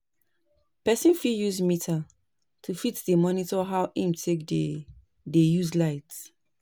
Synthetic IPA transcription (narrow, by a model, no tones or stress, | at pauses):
pɛsĩnfijuzmitʰa | tʰufitdəmɔnitɔɦawʔĩmtʰekde | dejuzlaɪts